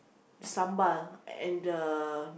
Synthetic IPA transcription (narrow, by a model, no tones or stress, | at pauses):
dəsãmbalɛ̰̃ndən